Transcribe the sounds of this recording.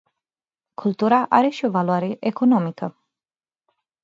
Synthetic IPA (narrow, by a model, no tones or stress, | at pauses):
kʰult̪uɾaʔaɾe̞ʃio̞valuaɾe̞ʔekono̞mikə